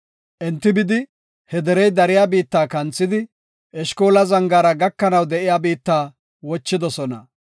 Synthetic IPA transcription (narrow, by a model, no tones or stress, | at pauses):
ʔɛnt̪ːɪbɪd̪ɪ | hɛd̪ɛɾɛjd̪ɐɾɪjaːbiːt̪ːaːkɐnt͡sːɪd̪ɪ | ʔɛʃkoːlɐzɐŋɡaːɾɐɡɐkːɐnɐwd̪ɛʔɪjaːbiːt̪ːaː | wɔt͡ʃːɪd̪ɔsɔnɐ